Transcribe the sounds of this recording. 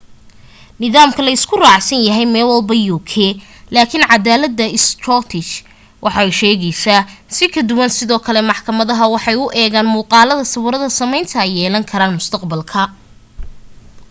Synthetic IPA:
nɪðaːmkʰɐlɐɪskʰʊraːʕsɐnjɐɦɛjmɛːlwɐlbɐjuːkʰɛː | laːkʰɪnʕɑd̪aːlɐd̪ːɐɪst̪rɔt̪ʰɪt͡ʃ | wʔɑħɑɛjʃɛːɣɛjsasɪkʰɐd̪ʊwɐnsɪðɔːkʰɐlɛmɑħkʰɐmɐðɐɦɐwɑħɑjʊʔɛːɣaːnmuːqɑːlɐðɐsɐβʊɾɐðɐsɐmɛjnt̪ʰɐɛjːɛːlɐŋkʰɐɾaːnmʊst̪ʰɐqbɐlkʰɐ

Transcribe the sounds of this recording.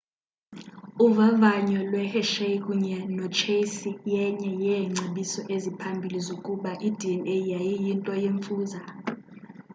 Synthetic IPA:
uvavaɲɔlwɛhɛʃekʼuɲɛnɔt͡ʃʰesijɛɲɛjɛŋ͡ǀʱeɓisɔʔezipʰambʱilizokʼuɓaʔid̥ʱiɛnejajijintʼɔjeɱfuːza

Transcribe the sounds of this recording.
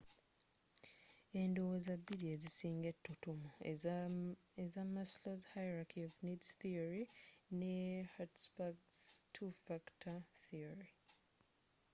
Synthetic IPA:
endozabiɾiezisiːŋɡetːutumu | ezamːaslozhajɾakʰiovnidsθioɾinehatspaɡstʰufaktʰaθioɾi

